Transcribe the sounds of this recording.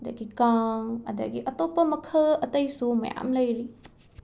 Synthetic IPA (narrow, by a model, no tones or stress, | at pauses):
dɐ̰ɡikaŋɐ̰dɐ̰ɡiʔɐt̪opːɐmɐkʰɐɐtɐjsumɐ̰ja̰mlɐjɾi